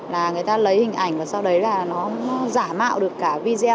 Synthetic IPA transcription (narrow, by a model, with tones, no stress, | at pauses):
laː˨˩ŋɨ˨˩əjt̪aː˧lə˨˦jhï˨˩ŋ̟ʔa˧˩jŋ̟vaː˨˩sa˧wɗə˨˦jlaː˨˩nɔ˨˦nɔ˨˦zaː˧˩ma̰ː˧˨wɗɨ˨˩əkːaː˧˩vi˧zɛ˧